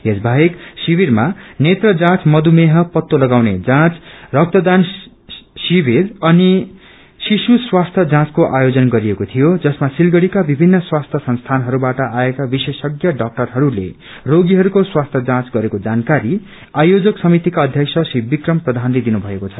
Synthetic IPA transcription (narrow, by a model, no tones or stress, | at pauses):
ɦesbʱaɦeksibiɾmanet̪rʌd͡zãt͡smʌd̪umeɦʌpʌt̪ːolʌɡawned͡zãt͡srʌk̚t̪ʌd̪an | sibirʌni | sisuswast̪ʰjʌd͡zãt͡skoʔajod͡zʌnɡʌɾijekot̪ʰijod͡zʌsmasilɡʌɽikabibʱinːʌswast̪ʰjʌsʌnst̪ʰanɦʌɾubaʈʌaekabisesʌɡjʌɖʌk̚ʈʌrɦʌɾulḛ | roɡiɦʌɾukoswast̪ʰjʌd͡zãt͡sɡʌɾekod͡zankaɾi | ajod͡zʌksʌmit̪ikaʌd̪ʱjʌksʰʌsibikrʌmprʌd̪ʱanled̪inubʱʌekot͡sʰʌ̥